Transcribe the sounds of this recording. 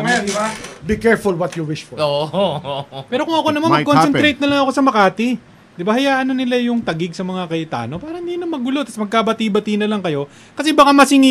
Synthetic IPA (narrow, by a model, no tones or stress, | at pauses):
mɛd̪ɪabikɛɹfʊlwɐt̪juwɪʃfɔo | pɛːɾo̞kʊŋɐkonɐmanmɐkonsɛnɾejt̪̚nɐlɐŋɐko̞sɐmɐkaːt̪ɪ | d̪ɪbahɐjaːʔɐnɐnɪlajʊŋt̪ɐɡɪɡ̚sɐmɐŋakɐjɪt̪a̰ːno̞paːɾɐɪnd̪iːnomɐɡʊlo̞t̪ɐsmɐɡ̚kaːbɐt̪iːbɐt̪inɐlɐŋkɐjo̞ | kɐsɛbɐkamɐsɪŋɪ